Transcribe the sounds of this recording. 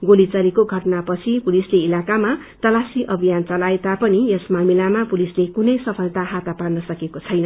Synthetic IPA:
ɡolit͡sʌlikoɡʱʌʈʌnapʌt͡sʰipulisleilakama | t̪ʌlasiʔʌbʱijant͡sʌlaet̪apʌniesmamilamapulislekunʌjsʌpʰʌlt̪aɦat̪aparnʌsʌkekot͡sʰʌjnʌ

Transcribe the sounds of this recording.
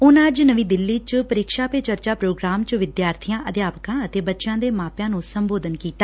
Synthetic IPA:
ʊnəd͡ʒnəʋiːd̪ɪlːiːt͡ʃpəɾɪkʃaːpeːt͡ʃəɾt͡ʃaːpɾoːɡɾaːmt͡ʃʋɪd̪jaːɾt̪ʰijãːʔəd̪jaːpəkãːət̪eːbətːʃãːd̪eːmaːpjãːnũːsəmboːd̪ənkiːt̪aː

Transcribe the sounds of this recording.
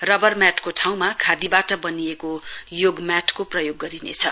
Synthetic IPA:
rʌbʌrmjaʈkoʈʰaw̃makʰad̪ibaʈʌbʌniekojoɡmjaʈʰkoprʌjoɡːʌɾinḛt͡sʰʌ

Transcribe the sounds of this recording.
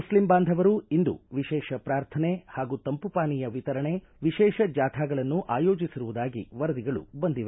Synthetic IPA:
muslimbaːnd̪ʱɐʋɐɾuind̪ṵʋiʃɛːʃɐpɾaːɾt̪ʰɐnehaːɡuːt̪ɐmpupaːnijɐʋit̪ɐɾɐɳe | ʋiʃɛːʃɐd͡ʒaːt̪ʰaːɡɐɭɐnːuʔaːjoːd͡ʒisiɾuʋud̪aːɡḭʋɐɾɐd̪iɡɐɭṵbɐnd̪iʋɐ

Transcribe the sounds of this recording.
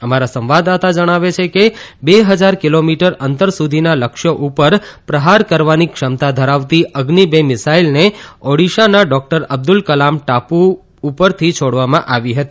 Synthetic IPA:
əmaɾasə̃mʋad̪at̪ad͡ʒəɽ̃aʋet͡ʃʰekebeɦəd͡ʒaɾkilomiʈəɾənt̪əɾsud̪ʱinaləkʃjəʔupəɾpɾəɦaɾkəɾʋanikʃəmt̪ad̪ʱəɾaʋt̪iʔəɡnibemɪsailneɔɽiʃanaɖɔk̚ʈəɾəb̚d̪ulkəlamʈapuː | pəɾt̪ʰit͡ʃʰoɽʋamãʔaʋiɦət̪i

